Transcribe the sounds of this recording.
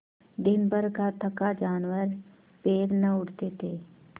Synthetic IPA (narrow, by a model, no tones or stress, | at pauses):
d̪ɪnbəɾkat̪ʰəkad͡ʒaːnwəɾ | peːɾnəʊɽt̪et̪ʰeː